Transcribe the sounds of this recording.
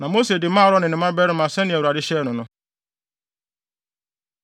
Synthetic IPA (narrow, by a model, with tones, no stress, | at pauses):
na˨mo˦se˨dɪ˨m˦a˦˨ɾɔ˦nɪ˨nɪ˨˦ma˦be˦ɾɪ˦ma˨se˦nɪ˦˨e˨ɾa˨ɾɪ˦ʃe˦nʊ˨nʊ˦